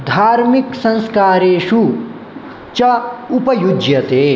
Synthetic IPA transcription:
d̪ʱaːɾmiksɐ̃nskaːɾeːʃu | t͡ʃɐupɐjud͡ʒjɐt̪eː

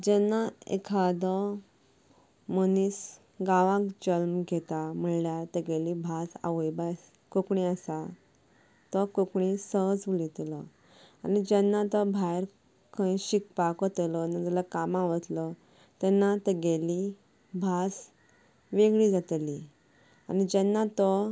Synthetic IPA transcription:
d͡ʑɛnːaḛkʰad̪ɔ | mənis | ɡaʋãkd͡ʑəlmɡʱet̪am̤əɳljat̪əɡelibʱasa̰ʋəjbas | kokɳiasa | t̪ɔkokɳisəɦd͡zulit̪lɔ | anid͡ʑɛnːat̪ɔbʱajɾ | kʰə̃ĩɕikpakɔt̪lɔnad͡zəlakamaʋət̪lɔ | t̪ɛnːat̪əɡeli | bʱas | ʋeɡɭid͡zat̪li | a̰nid͡ʑɛnːat̪ɔ

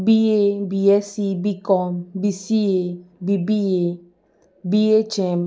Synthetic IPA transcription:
biebiɛsibikɔmbisiebibie | biet͡ʃẽm

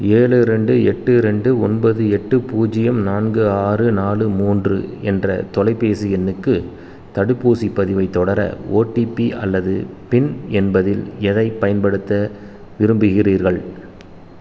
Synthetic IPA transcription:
eːɻɯɾɛɳɖɯɛʈːɯɾɛɳɖɯɔnbɐðɯɛʈːɯpuːd͡ʒɪjɐmnaːnɡɯaːrɯnaːlɯmuːndrɯɛndrɐ̰t̪ɔlɐɪpːeːsɯɛnːɯkːɯ | t̪ɐɽɯpːuːsipːɐðɪʋɐɪt̪ːɔɽɐɾɐ̰oːʈːipiɐ̰lːɐðɯpɪnɛnbɐðɪlɛðɐɪpɐjɐnpɐɽɯt̪ːɐ | ʋɪɾɯmbɯɣɪriːɾɣɐɭ

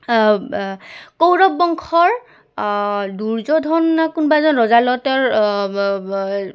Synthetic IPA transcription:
kowɹɔb̚ːɔŋkʰɔɹ | duɹzɔdʱɔnakunbaɛzɔnɹɔzalɔtɔɹ

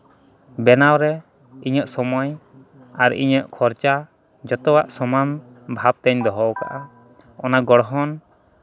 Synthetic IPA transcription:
bɛnawɾɛ | iɲəʔsɔmɔj | aɾḭɲəʔkʰɔɾt͡ʃa | d͡ʒɔt̪ɔwaʔsɔman | bʱab̚t̪ɛɲd̪ɔɦɔwka̰ʔa | ɔnaɡɔɽɦɔn

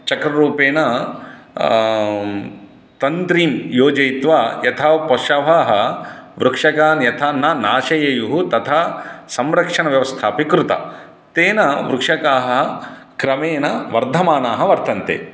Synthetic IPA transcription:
t͡ʃɐkɾɐɾuːpeːnɐ | t̪ɐnt̪ɾiːmjoːd͡ʒɐjt̪ʋaːjɐt̪ʰaːpɔʃɐʋaːɦɐʋɾukʂɐkaːnjɐt̪ʰaːnːɐnaːʃɐjɐjuɦut̪ɐt̪ʰaːsɐmɾɐkʂɐɳɐʋjɐʋɐst̪ʰaːpikɾut̪ɐ̰ | t̪eːnɐʋɾukʂɐkaːɦɐɦ | kɾɐmeːnɐʋɐɾd̪ʱɐmaːnaːɦɐʋɐɾt̪ɐnt̪ḛː

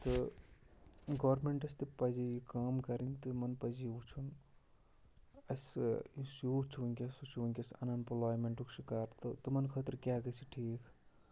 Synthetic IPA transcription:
t̪ɨ | ɡɐːɾmeɳʈɐs̬t̪ɨpɐzijikaːmkɐɾint̪ɨmɐnpɐzijut͡ʃʰun | ɐsjusut͡ʃʰiʋɐŋkʲɐsut͡ʃʰiʋɐŋkʲɐsɐ̰nɐnplaːjmeɳʈuksikaːɾt̪ɨt̪ɨmɐnkʰɐt̪ɾkʲaːɡɐt͡ʃʰiʈʰiːk

